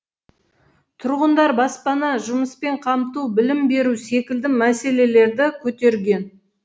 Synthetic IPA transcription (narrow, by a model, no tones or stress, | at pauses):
t̪ʰʊɾʁənd̪ɑɾbɑspɑnɑʒʊməspe̞ɴqʰɑmt̪ubɪlɪmbe̞ɾuse̞kʲɪld̪ɪmæse̞le̞le̞ɾd̪ɪkʲʰɵt̪e̞ɾɡʲe̞n